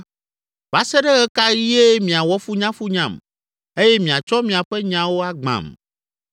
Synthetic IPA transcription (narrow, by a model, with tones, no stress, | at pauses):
b̥a˦sɛ˦ɖɛ˦ɣɛ˦ka˦ji˦je˦mĩ˨a˨wɔ˦fu˦ɲã˦fu˦ɲã̰˨m | e˦jɛ˦mĩ˨a˨t͡ʃɔ˦mĩ˨a˨ɸɛ˦ɲã˨wo˦a˦ɡ͡bã̰˨m